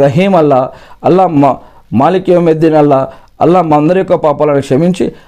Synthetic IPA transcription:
ɾɐɦiːmɐlːɐɐlːɐ | maːlikjɐmed̪inɐlːɐ | ɐ̰lːamɐnd̪ɐɾjɔkːɐpaːpɐlɐnikʂɐmiɲt͡ʃi

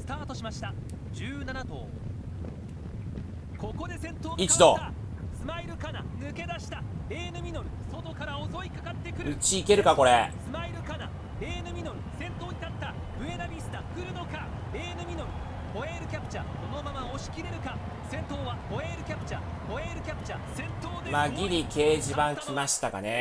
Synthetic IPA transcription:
sɨ̥t̪aːt̪o̞ɕimaɕi̥t̪a | d͡ʑɨːnanat̪o̞̰ː | ko̞ko̞d̪e̞sẽ̞nt̪o̞ːit͡ɕid̪oa | sɨmaiɾɯ̟kana̰nɯ̟ke̞d̪aɕi̥t̪aɾe̞ːnɯ̟mʲino̞ɾɯ̟so̞t̪o̞kaɾao̞zo̞ikakat̪ːe̞kɯ̟ɾɯɯt͡ɕiːke̞ɾɯ̟kako̞ɾesɨmaiɾɯ̟kana̰ | ɾe̞ːnɯ̟mʲino̞ɾɯ̟sẽ̞nt̪o̞ːɲit̪at̪ːa | bɯ̟e̞d̪abʲisɨ̥t̪akɯ̟ɾɯ̟no̞ka | ɾe̞ːnɯ̟mʲinoɾɯ̟ | po̞eɾɯ̟kʲapɯ̥t͡ɕad̪o̞no̞mamao̞ɕi̥kʲiɾe̞ɾɯ̟kã | sẽ̞nt̪o̞ːβapo̞e̞ːɾɯ̟kʲapɯ̟t͡ɕa | poeːɾɯ̟kʲapɯ̟t͡ɕasẽ̞nt̪o̞ːd̪emaɡʲiɾʲike̞ːʑibãŋkʲʰimaɕi̥t̪aka̰ne

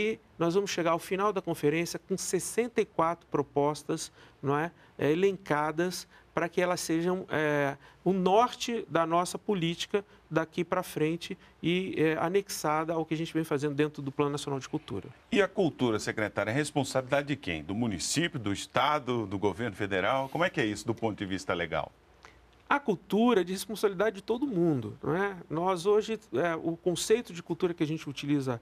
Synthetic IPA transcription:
ɪnɔzvɐ̃mʊsʃeɡaɾwfinawd̪ɐkõfeɾẽsjɐkõsesẽnt̪ɐikwat̪ɾʊpɾopɔst̪ɐsnõw̃ɛ | elẽŋkad̪ɐs | pɾɐkɪɛlɐsːeʒɐ̃w̃ɛʊnɔɾt͡ʃɪd̪ɐnɔsɐpolit͡ʃi̥kɐ | d̪akipɾɐfɾẽnt͡ʃɪ | ɪɛa̰neksad̪ɐaʊkɪaʒẽnt͡ʃɪvẽj̃fazẽnd̪ʊd̪ẽnt̪ɾʊd̪ʊplɐ̃nʊnasjõnawd͡ʒɪkuwt̪ṵɾɐ̰ | ɪɐkuwt̪uɾɐsekɾet̪aɾjɐɛɦespõsabilid̪ad͡ʒɪd͡ʒɪkḛ̃j̃d̪ʊmũnisipjʊd̪ʊist̪ad̪ʊd̪ʊɡoveɾnʊfed̪eɾawkõmʊɛkɪɛisʊd̪ʊpõt̪ʊd͡ʒɪvist̪ɐleɡa̰w | ɐkuwt̪uɾɐɛd͡ʒɪhespõsabilid̪ad͡ʒɪd͡ʒɪt̪od̪ʊmũd̪ʊ̰ñ̰ɛnɔzoʒɪɛʊkõsejt̪ʊd͡ʒɪkuwt̪uɾɐkɪaʒẽnt͡ʃɪut͡ʃilizɐ

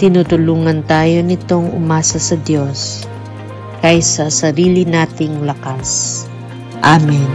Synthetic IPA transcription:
t̪ɪnut̪ʊluːŋɐnt̪aːjo̞nɪt̪o̞ŋʔʊ̰maːsɐsɐd̪jo̞s | kɐjsɐsɐɾiːlɪnaːt̪ɪŋlɐkas | ʔamɛn

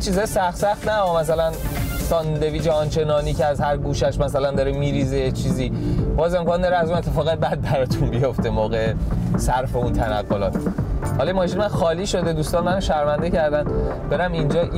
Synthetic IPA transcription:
t͡ʃʰiːzɒːjsæxt̪sæxt̪næɒmæs̬ælænsɒnd̪e̞viːd͡ʒeɒnt͡ʃʰe̞nɒːniːceæzhæɾɡuːʃæʃmæsælænd̪ɒːɾemiːɾiːzejet͡ʃʰiːziːb̥ɒːze̞mkʰɒnd̪ɒɾeæzunet̪ʰːefɒːɣebæd̪̚bæɾɒt̪ʰunbijo̞ft̪e̞moːɣeesæɾfe̞unt̪ʰænæɣːolɒ̰ːt̪hɒljemɒːʃinmænxɒːliːʃo̞d̪e̞d̪uːst̪ɒːnmænoʃæɾmænd̪ecæɾd̪æn | b̥e̞ɾæmind͡ʒɒː

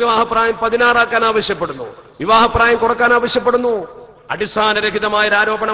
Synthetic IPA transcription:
iʋaːɦɐpraːjɐmpɐðinaːɽaːkːaːnaːʋɐɕjɐpːe̞ɽunːṵʋiʋaːɦɐpːraːjɐmkuɽɐkːaːnaːʋɐɕjɐp̬ːe̞ɽunːu | ɐ̰ɽist̪ʰaːnɐɾɐkiðɐmaːjɐɾaːɾo̞ːbɐɳɐ

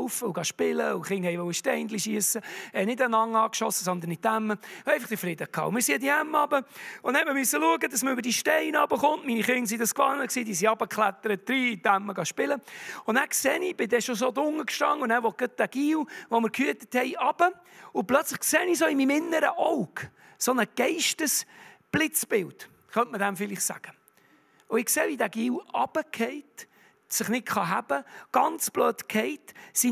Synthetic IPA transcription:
ʊfəʊɡɑʃpɪləʊχɪŋhɛɪʋɔwəʃtɛɪnd̪liʃiəsəɛnɪdənɑŋːɑːkʃɔsəsɔnd̪ənɪt̪æmːəɛɪɑχt̪əfɾɪd̪əkʰɑ̰ːʊmɪɾsiədiæmːɑbəʊnhɛtməmysːəluəɡədɑsməɾʉbəɾd̥iʃtɛɪnɑbəχʊntminiχɪŋs̬id̪ɑskʋɑnəksiːd̪iːsiɑb̥əkχlæt̪ːəɾət̚d̥ɾiːt̪æmːəɡɑʃpɪləʊnnæksɛːnib̥ɪd̪ɛʃosod̪ʊŋəkʃtɑ̰ŋːʊnæːɾʋɔt̚ɡ̥ət̚d̥̪æɡ̥iːwʋoməɾkʰhyətəthɛɪɑb̥ə | ʊplœt͡slɪχkseːniːs̬oimimɪnːəɾəʔɔʊk | sonəɡ̥ɛɪʃtəsb̥lɪt͡sb̥ɪlt | χœntmədɛmfɪlɪχsæ̰ɡ̥ə | ʊɪkseːvidæɡ̥iːlɑb̥əkʰɛɪt | sɪχnɪtχɑɦæb̥əɡ̥ɑnt͡sb̥løːtkʰɛɪtsi

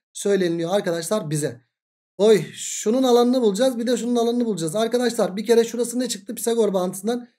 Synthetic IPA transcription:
sø̞jlʲe̞nilʲijoaɾkad̪aʃlˠaɾbizɛ | ojʃununalˠanɯnɯbulˠud͡ʒazbid̪ɛʃ̬ununalˠanɯnɯbulˠud͡ʒazaɾkad̪aʃlˠaɾbice̞ɾɛʃuɾasɯnɛt͡ʃʰɯk̚t̪ʰɯpʰi̥saɡo̞ɾbanɯ̥sɯnd̪an

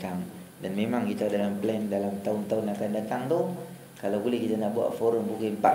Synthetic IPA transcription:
t̪aŋ | danmemaŋkit̪adalamplɛndalamt̪aʊnt̪aʊnakandat̪aŋt̪ʊh | kalawbulɛhkit̪anaʔbua̰ʔfoɾʊmbukɪnpa̰

